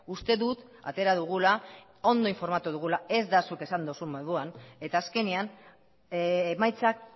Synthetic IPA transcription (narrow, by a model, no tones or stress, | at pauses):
ust̪e̞ðut̪ | a̰t̪e̞ɾaðuɣ̞ula | o̞nd̪o̞iɱfo̞ɾmat̪uðuɣ̞ulae̞zd̪asuke̞sand̪osumbaðuane̞t̪aːske̞nian | majt͡sak̚